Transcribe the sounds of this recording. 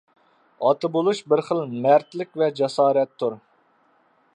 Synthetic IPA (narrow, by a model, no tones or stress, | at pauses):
ɑt̪ɨbolˠuʃbɪɾχəlˠmæɾt̪lɪkʲvɛd͡ʒɛsɑːɾɛt̪ʰːuɾ